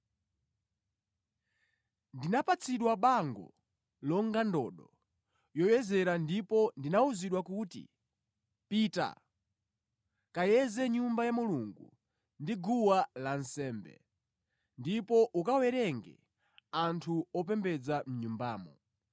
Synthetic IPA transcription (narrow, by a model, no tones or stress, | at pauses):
ndinapat͡sʰiɗwaɓaŋɡɔ̰ | lɔŋɡandɔ̰ːɗɔ | jɔjɛzɛɾandipɔndinauziɗwakutḭ | pita̰ | kajɛzɛɲumbajamuluŋɡṵ | ndiɡuwalansɛːmbɛ̰ | ndipɔʔukawɛɾɛŋɡɛ̰ | antʰuɔpɛmbɛd͡zam̩ɲumbaːmɔ̰